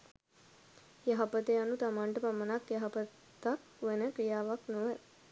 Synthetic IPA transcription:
jaɦapət̪eanut̪amaɳʈəpamənakjaɦapə | t̪ak | ʋenəkɾijaːʋaknoʋə

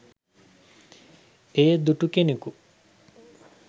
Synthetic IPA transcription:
ejed̪uʈukeneku

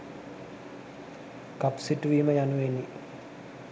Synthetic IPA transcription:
kapsiʈuʋiːməjanuʋenːi

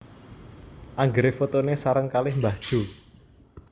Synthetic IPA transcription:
ʔaŋɡəɾefot̪onesaɾəŋkalɪhmbad̥ʒ̥u

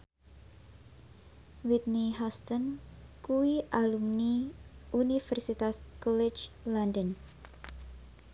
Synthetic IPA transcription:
wit̪̚niɦɔst̪ənkuwiʔalumniʔunifɛrsit̪askɔlɪt͡ʃ | landən

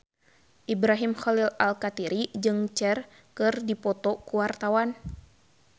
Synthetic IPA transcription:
ʔibɾaɦimxɔlilalkat̪iɾid͡ʒɨŋt͡ʃɛr | kɨrdipɔt̪ɔkuwart̪awan

